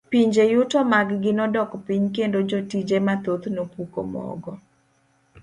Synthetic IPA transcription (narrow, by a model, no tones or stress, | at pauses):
piɲd͡ʒejʊtɔmaɡɡɪnɔdɔkpiɲkendod͡ʒotid͡ʒemat̪ot̪nopuko̰mɔ̰ɡɔ